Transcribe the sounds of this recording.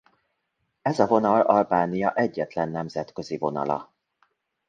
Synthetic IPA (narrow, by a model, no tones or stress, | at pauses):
ɛzɒvo̞nɒlɒlbaːnijɒʔɛɟːɛt̪lɛnːɛmzɛt̪kø̞zivo̞nɒ̰lɒ̰